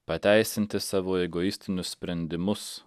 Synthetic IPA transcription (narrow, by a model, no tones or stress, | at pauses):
pɐt̪ʲæˑɪsʲɪnʲt̪ʲɪsɑːʋoːɛɡoɪsʲt̪ʲɪnʲʊssʲpʲɾʲɛnʲd̪ʲɪmʊs